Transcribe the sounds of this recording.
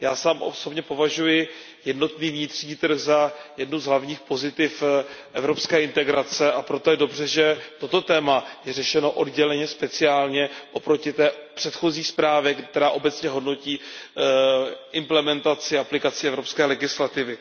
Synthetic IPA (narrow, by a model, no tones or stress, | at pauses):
jaːsaːmʔo̰so̞bɲɛpo̞vaʒujɪ | jɛdno̞t̪niːvɲɪt̪r̥ɲiːt̪ɾ̩ɣzajɛdnuzɦlavɲiːxpo̞zɪt̪ɪfʔɛvɾo̞pskɛːʔɪnt̪ɛɡɾat͡sɛʔapɾot̪o̞jɛdo̞br̝ɛʒɛt̪o̞t̪o̞t̪ɛːmajɛrɛʃɛno̞ʔo̞dɟɛlɛɲɛspɛt͡sɪaːlɲɛʔo̞pɾo̞cɪt̪ɛːpr̥ɛt̪xo̞ziːxspɾaːvɪkt̪ɛɾaːʔo̞bɛt͡sɲɛɦo̞dno̞ciː | ʔɪmplɛmɛnt̪at͡sɪaplɪkat͡sɪɛvɾo̞pskɛːlɛɡɪslat̪ɪvɪ